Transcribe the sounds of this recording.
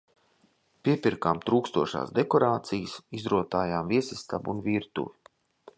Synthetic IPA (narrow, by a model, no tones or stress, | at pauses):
piɛpiɾkaːmt̪ɾuːkst̪uɔʃa̰ːsd̪ekɔɾaːt̪sijsizɾuɔt̪aːjaːmviɛsʲist̪a̰bunviːɾt̪ṵvi